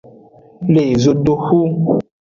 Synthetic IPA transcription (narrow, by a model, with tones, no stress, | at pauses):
le˨zo˦do˦hu˦